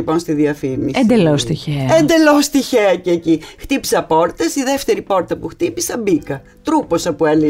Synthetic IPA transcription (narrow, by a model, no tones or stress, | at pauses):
ipo̞nst̪iðiɐfimiend̪elost̪içeɐend̪e̞lost̪içeɐceːcixt̪ipi̥sɐpo̞ɾt̪esiðeft̪e̞ɾipo̞ɾt̪ɐpuxt̪ipisɐbikɐ | t̪ɾupo̞sɐpueli